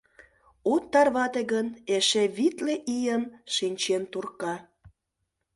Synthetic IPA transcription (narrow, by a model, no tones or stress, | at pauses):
ut̪ːɑrβɑt̪eɣəneʃeβit̪leʔijənʃinʲt͡ɕent̪urkɑ